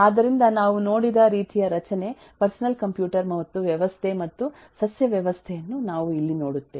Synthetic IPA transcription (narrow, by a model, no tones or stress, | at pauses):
aːd̪ɐɾind̪ɐnaːʋuno̞ːɽid̪ɐɾiːt̪ijɐɾɐt͡ʃɐne̞ | pɐɾsɐnɐlkɐmpjuːʈɐɾmɐʋɐt̪ːuʋjɐʋɐst̪ʰe̞mɐt̪ːu | sɐsjɐʋjɐʋɐst̪ʰɛjɐnːunaːʋuilːino̞ːɽut̪ːe